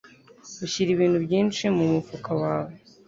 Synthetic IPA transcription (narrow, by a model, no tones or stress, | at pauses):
ɡuɕiɾiβiːn̤̥hubɟiːnt͡ʃimumufukawaːwe